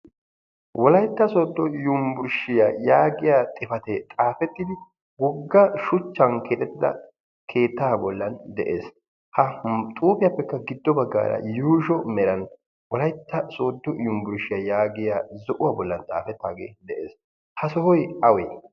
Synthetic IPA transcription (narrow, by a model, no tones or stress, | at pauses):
wɔlɐjt̪ːɐsoːd̪ːɔjʊmbʊɾʃɪjajaːɡɪjaːt̪ʼɪfɐt̪ɛt̪ʼaːfɛt̪ːɪd̪ɪ | wɔɡːɐʃʊt͡ʃːɐnkʰeːt̪ʼɛt̪ːɪd̪ɐ̰ | kʰe̞ːt̪ːaːbɔlːɐnd̪ɛʔḛːs | hɐt̪ʼuːpɪjɐpːɛkːɐɡɪd̪ːɔbɐɡːa̰ːɾɐ̰juːʃɔmɛɾɐn | wɔlɐjt̪ːɐso̞ːd̪ːɔjʊmbʊɾʃɪjɐjaːɡɪjaːzɔʔʊwaːbɔlːɐnt̪ʼa̰ːfɛt̪ːa̰ːɡeːd̪ɛʔḛːs | hɐsɔhɔjɐwɛ